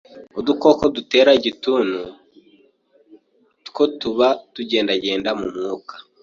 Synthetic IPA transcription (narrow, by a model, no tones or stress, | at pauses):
oduko̞kodute̞ːɾaiɟituːnu | tko̞tuβatuɟe̞ːndaɟe̞ːndamumŋuːkḁ